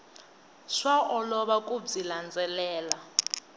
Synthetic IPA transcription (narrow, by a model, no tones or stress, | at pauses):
ʂwaʔɔlɔɓakʼub͡ʐiland͡zʱɛlɛːla